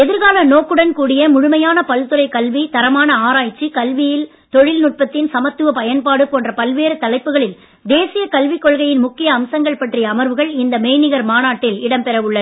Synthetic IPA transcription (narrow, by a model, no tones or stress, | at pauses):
ɛðɪɾɣaːlɐnoːkːɯɽɐnkuːɽɪjɐmʊɻʊmɐjaːnɐpɐlt̪ɯɾɐɪkɐlʋit̪ɐɾɐmaːnɐaːɾaːjt͡ʃːikɐlʋɪjɪl | t̪ɔɻɪlnʊʈ̚pɐt̪ːɪnsɐmɐt̪ːɯʋɐpɐjɐnpaːɽɯpoːndrɐpɐlʋeːɾɯt̪ɐlɐɪpːɯɣɐɭɪl | d̪eːsɪjɐkɐlʋɪkːɔɭɣɐjɪnmʊkːɪjɐːmsɐŋɡɐɭpɐʈrɪjɐːmɐɾʋɯɣɐɭɪnd̪ɐmeːnɪɣɐɾmaːnaːʈːɪlɪɽɐmpɛɾɐʋɯɭːɐ